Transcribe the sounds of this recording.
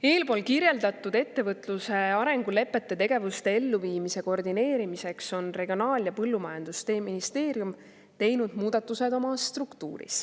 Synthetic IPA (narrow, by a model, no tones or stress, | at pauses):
e̞ːlpo̞ːlkirje̞ld̪ɑt̪ːˑud̪̥e̞t̪ːe̞vɤt̪ˑluse̞ɑɾe̞ŋɡ̥ule̞pːˑe̞t̪ːe̞t̪e̞ɡ̥e̞vust̪e̞e̞lːuviːmise̞ko̞rd̪ine̞ːɾimise̞kso̞nre̞ɡ̥io̞nɑːljɑpɤlːumɑjɑnd̪̥ust̪e̞ːmːinist̪e̞ːɾjum | t̪e̞jnud̪̥muːd̪̥ɑt̪ːˑused̪o̞mɑst̪rukt̪ṵːɾḭs